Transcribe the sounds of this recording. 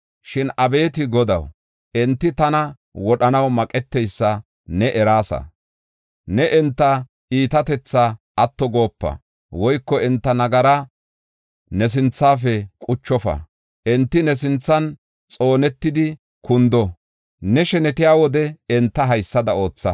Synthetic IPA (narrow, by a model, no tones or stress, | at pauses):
ʃɪnʔɐbe̞ːt̪ɪɡɔd̪ɐ̰w | ɛnt̪ːɪt̪ɐnɐ | wɔɗɐnɐwmɐkʼɛt̪ːɛjsːɐ | nɛʔɛɾaːsɐ̰ | nɛʔɛnt̪ːɐ | ʔiːt̪ɐt̪ɛt͡sːaʔɐt̪ːɔɡo̞ːpːɐ̰ | wɔjkːɔɛnt̪ːɐnɐɡɐɾɐ | nɛs̬ɪnt͡sːaːfɛkʼʊt͡ʃːɔfɐ̰ | ʔɛnt̪ːɪnɛsɪnt͡sːɐn | t͡sʼo̞ːnɛt̪ːɪd̪ɪ | kʊnd̪ɔ | nɛʃɛnɛt̪ɪjaːwɔd̪ɛɛnt̪ːɐɦɐjsːɐd̪ɐo̞ːt͡sːɐ